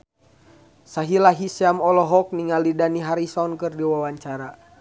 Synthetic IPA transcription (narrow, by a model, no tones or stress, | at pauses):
saɦilaɦisiamɔlɔɦɔk̚niŋalidaniɦaɾisɔnkɨrdiwawaɲt͡ʃaɾa